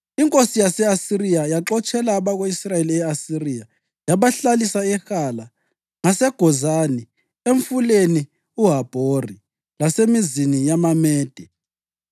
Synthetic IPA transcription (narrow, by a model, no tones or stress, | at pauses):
iŋkʼosijasɛasirijajaǁɔt͡ʃʼɛlaːβaɣoisrajeliɛasirija | jaβaɬalisaɛxala | ŋasɛɡ̥ʱɔzani | eɱfuleni | uɦab̥ʱori | lasemizinijamamɛːd̥ʱɛ